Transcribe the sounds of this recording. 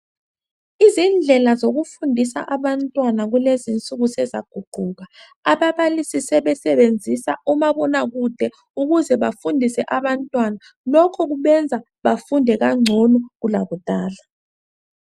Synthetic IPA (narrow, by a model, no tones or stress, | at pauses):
izind͡ɮʱɛlazoɣufundʱisa̰ʔaβantʼwanaɣulezint͡sʼuɣusɛza̰ɡ̥ʱuɡ͡ǃ̥ʱuɣa | aβaβalisisɛβɛsɛβend͡zʱisaʔumaβɔnaɣud̥ʱɛ | uɣuzɛβafundʱisɛʔaβantʼwana | lɔkʰɔɣuβɛnd͡zʱa | βafundʱɛɣaŋ͡ǀʱɔnɔɣulaɣud̥ʱaːla